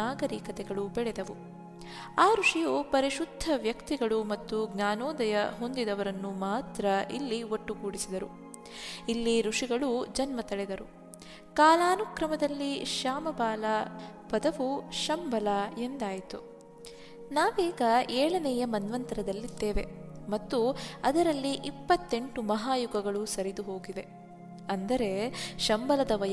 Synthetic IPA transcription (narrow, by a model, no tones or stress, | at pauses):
aːɡɐɾiːkɐt̪ɛɡɐɭubɛɭɛd̪ɐʋu | aːɾuʂijupɐɾiʃud̪ʱːɐʋjɐkt̪iɡɐɭumɐt̪ːuɡnaːnɔːd̪ɐjɐɦo̞nd̪id̪ɐʋɐɾɐnːumaːt̪ɾɐʔilːioʈːukuːɽisid̪ɐɾu | ilːiɾuʂiɡɐɭud͡ʒɐnmɐt̪ɐɭɛd̪ɐɾu | kaːlaːnukɾɐmɐd̪ɐlːiʃaːmɐbaːlɐpɐd̪ɐʋuʃɐmbʱɐlɐe̞nd̪aːjt̪u | naːʋeːɡɐeːɭɐnɛːjɐmɐnʋɐnt̪ɐɾɐd̪ɐlːid̪ːeːʋe̞mɐt̪ːuɐd̪ɐɾɐlːiʔipːɐt̪ːe̞ɳʈumɐɦaːjuɡɐɡɐɭusɐɾid̪uɦo̞ːɡiʋe̞ | ɐnd̪ɐɾe̞ʃɐmbɐlɐd̪ɐʋɐj